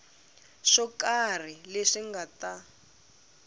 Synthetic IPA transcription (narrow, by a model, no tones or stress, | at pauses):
ʂɔkar̤ileʂiŋɡata